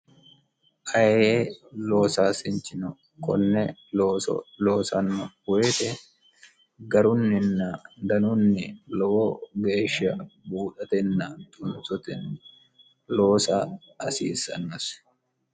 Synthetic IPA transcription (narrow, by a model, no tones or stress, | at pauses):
ʔɐjelo̞ːsaːsɪnt͡ʃɪnɔ | kɔnːɛoːɔ̰lo̞ːsɐnːɐweːt̪ɛ | ɡɐɾʊnːɪnːad̪ɐnʊnːɪlɔwoɡe̞ːʃɐbuːᶑɐt̪ɛnːat̪ʼʊnsɔt̪ɛn | lo̞ːsaː | ɐsḭːsːɐ̰nːɐs